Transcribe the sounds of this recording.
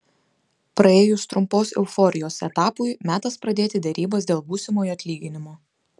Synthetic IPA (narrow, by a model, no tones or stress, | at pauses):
pɾɐeːjʊst̪ɾʊmpoːsɪ̰lˠfɔɾʲɪjoːsɛ̰t̪ɑːpʊjmʲæːt̪ɐspɾɐd̪ʲeːt̪ʲɪd̪ʲɛɾʲiːbɐs̬d̪ʲeːlˠbuːsʲɪmoːjɐt̪ʲlʲiːɡʲɪnʲɪmoː